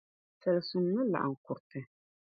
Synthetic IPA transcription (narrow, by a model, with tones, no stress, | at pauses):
sɐ˨lsu˨mːɨ˦la̰˨ʔa̰˨ŋ̩˨kʊ˨ɾtɨ˨